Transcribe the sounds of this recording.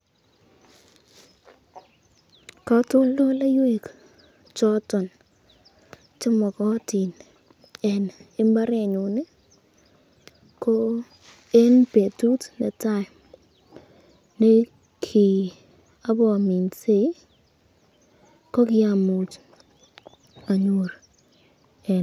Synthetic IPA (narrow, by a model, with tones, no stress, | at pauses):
ka˦tʊ˦lo˦la˦jwe˦˨k | t͡ʃɔ˦tɔ˨n | t͡ʃɪ˦mɔ˨kɔ˦ti˨n | ɛ˨nɪ˦mba˦ɾe˦˨ɲu˨nɪ˦ | ko˦ | e˦npe˨tu˦tne˨ta˦˨ | ne˦ | kʰi˨ | a˦bɔ˨mi˨nse˦ | ko˦kɪ˦a˨mu˨t͡ʃ | a˨ɲo˨ɾ | ɛ˨